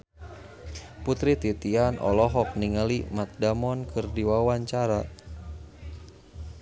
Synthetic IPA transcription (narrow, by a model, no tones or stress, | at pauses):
put̪ɾit̪it̪ianʔɔ̰lɔɦɔk̚niŋalimat̪̚damɔnkɨrdiwawaɲt͡ʃaɾa